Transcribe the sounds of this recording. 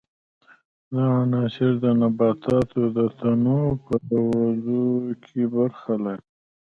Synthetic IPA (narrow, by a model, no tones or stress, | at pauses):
d̪ɑanɑʃɪɾd̪ənabɑt̪ʰɑt̪od̪ət̪ʰanopəawazokʰebaɾxala